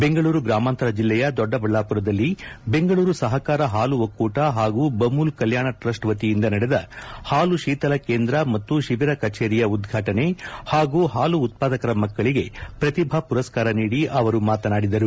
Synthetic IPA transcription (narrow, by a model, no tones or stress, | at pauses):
be̞ŋɡɐɭuːɾuɡɾaːmaːnt̪ɐɾɐd͡ʒilːɛjɐd̪ɔɖːɐbɐɭːaːpuɾɐd̪ɐlːibe̞ŋɡɐɭuːɾusɐɦɐkaːɾɐɦaːluʋɐkːuːʈɐɦaːɡuːbɐmːulkɐljaːɳɐʈɾɐʂʈʋɐt̪ijind̪ɐnɐɽed̪ɐhaːluʃiːt̪ɐlɐkeːnd̪ɾɐmɐt̪ːuʃiʋiɾɐkɐt͡ʃeːɾijɐud̪ɡʱaːʈɐne̞haːɡuːɦaːluːt̪̚paːd̪ɐkɐɾɐmɐkːɐɭiɡe̞pɾɐt̪ibʱɐpuɾɐskaːɾɐniːɽiʔɐʋɐɾumaːt̪ɐnaːɽid̪ɐɾu